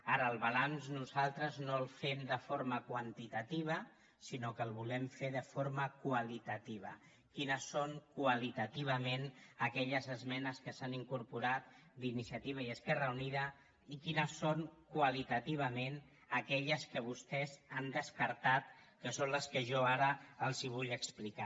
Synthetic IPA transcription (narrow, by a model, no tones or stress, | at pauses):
aɾəːlˠβalanznuzalˠt̪ɾəznolˠfemd̪əfoɾməkwənt̪it̪at̪iβ̞ə | sinokəlˠβulɛmfeðəfoɾməkwalit̪ət̪iβ̞ə̰ | kinəsːoŋkwalit̪at̪iβ̞əmenəkɛʎəzəzmɛnəskəsaniŋkuɾpuɾat̪̚d̪inisiat̪iβ̞aiəskɛrəuniðə | ikinəsːoŋkwalit̪at̪iβ̞əmen | əkɛʎəskəβust̪ɛzand̪əskəɾt̪at̪kəsonləskəʒɔaɾəəlˠziβ̞uʎəksplika